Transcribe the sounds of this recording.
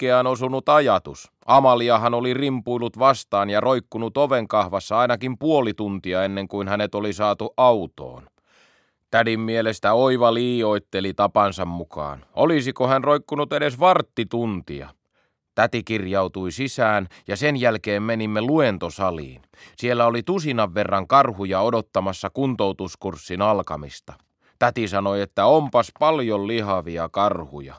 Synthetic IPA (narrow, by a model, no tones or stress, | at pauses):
kːeænosunut̪ɑjɑt̪us | ʔɑmɑliɑhɑnolirimpuilut̪ʋɑst̪ɑːnjɑrʔoikːunut̪oʋeŋkɑhʋɑsːɑɑinɑkimpuolit̪unt̪iɑenːeŋkuinhænet̪olisɑːt̪uʔɑut̪o̰ːn | t̪ædimːielest̪æoiʋɑliːjoit̪ːelit̪ɑpɑnsɑmmukɑ̰ːnʔolisikohænroikːunut̪edesʋɑrt̪ːit̪unt̪ḭɑ̰ | t̪æt̪ikirjɑut̪uisisæːnjɑsenjælkeːmmenimːeluent̪osɑlḭːn | sielːæolit̪usinɑʋːerːɑŋkɑrhujɑodot̪ːɑmɑsːɑkunt̪owt̪uskursːinɑlkɑmist̪ɑ | t̪æt̪isɑnoiet̪ːæompɑspɑljollihɑʋiɑkɑrhujɑ̰